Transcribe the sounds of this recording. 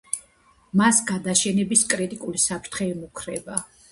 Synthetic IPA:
masɡad̪aʃɛnɛbiskʼɾit̪ʼikʼulisapʰɾt̪ʰχɛːmukʰɾɛba

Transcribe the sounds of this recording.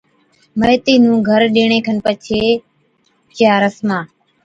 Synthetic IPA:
məɦt̪iːnũːɡʱəɾɗeːɳẽːkʰənpət͡ʃʰeː | t͡ʃjaːɾəsmãː

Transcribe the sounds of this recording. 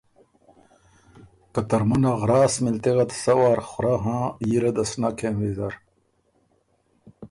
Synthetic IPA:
kɐt̪ɐɾmunɐɣɾaːsmilt̪iɣɐt̪sɐwaːɾxʊɾaɦãːjiɾɐd̪ɐsnaːkʰenwiːzaɾ

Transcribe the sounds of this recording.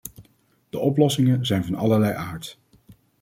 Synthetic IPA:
d̥əʔɔplɔsɪŋəzɛjnvɑnɑ̰ləɹlɛjʔaːɹt

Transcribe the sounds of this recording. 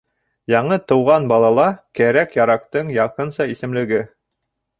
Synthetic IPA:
jɑɴɤt̪ɤ̆wʁɑnbɑlˠɑlˠɑkæɾækjɑɾɑq̚t̪ɤɴjɑqɤnsɑisɘ̆mlɘ̆ɡɘ

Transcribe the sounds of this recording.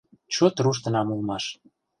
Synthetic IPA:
t͡ɕot̪ruʃ̬t̪ə̆nɑmulmɑʃ

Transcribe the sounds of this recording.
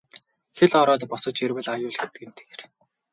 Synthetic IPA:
xeɮɔɾɔːt̪pʊsə̆t͡ɕerwɘ̆ɮajʊːɮɡet̪̚ɡɘ̆nt̪ʰe̥ɣer

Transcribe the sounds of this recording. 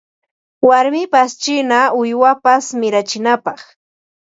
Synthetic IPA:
waɾmɪpast͡ʃɪnaʊjwapasmɪɾat͡ʃɪnapɑχ

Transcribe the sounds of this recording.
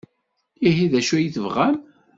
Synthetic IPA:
iɦiðæʃæjiθəvʁæm

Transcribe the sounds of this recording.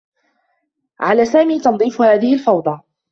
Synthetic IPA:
ʕalaːsaːmiːt̪ɑnd̪ˤiːfhaːðɪhɪlfɑwd̪ˤɑ

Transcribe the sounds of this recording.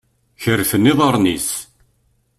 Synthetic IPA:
çəɾːfənːiðˤəɾˤnis

